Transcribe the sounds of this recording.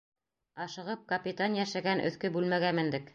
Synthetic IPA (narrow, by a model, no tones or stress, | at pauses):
ɑʃɤ̆ʁɤp̚kɐpʲit̪anjæʃæɡænʔɵ̰̆θkɵbʉlmæɡæmɘ̆nd̪ɘk